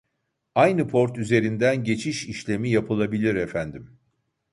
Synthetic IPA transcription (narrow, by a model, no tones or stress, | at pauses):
ajnɯpʰo̞ɾt̪yze̞ɾind̪ænɟe̞t͡ʃʰiʃiʃlʲe̞mijapʰɯlˠabilʲiɾɛfænd̪im